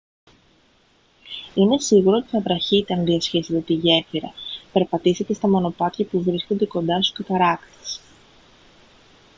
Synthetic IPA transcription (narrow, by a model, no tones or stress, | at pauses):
ine̞siɣuɾot̪iθɐvɾɐçit̪e̞ɐnðiɐsçiset̪e̞t̪iʝe̞fiɾɐ̰pe̞ɾpɐt̪ise̞t̪e̞st̪ɐmo̞no̞pɐt̪çɐpuvɾiskond̪e̞ko̞nd̪ɐst̪u̥skɐt̪ɐɾɐkt̪e̥s